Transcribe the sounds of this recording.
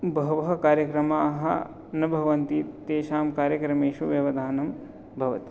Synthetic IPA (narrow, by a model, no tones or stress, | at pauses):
bɐɦʋɐɦɐkaːɾjɐkɾɐmaːɦɐ̰ | nɐbʱɐʋɐnt̪it̪eːʃaːmkaːɾjɐkɾɐmeːʃuʋjɐʋɐd̪ʱaːnɐm | bʱɐʋɐ̰t̪